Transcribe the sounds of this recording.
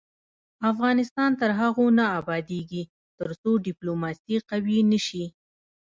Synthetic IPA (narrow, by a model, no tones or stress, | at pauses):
afɣɑnɪst̪ɑnt̪əɾɦaɣonaːbɑd̪eɡi | t̪əɾsoɖɪplomɑsiqawinəʃi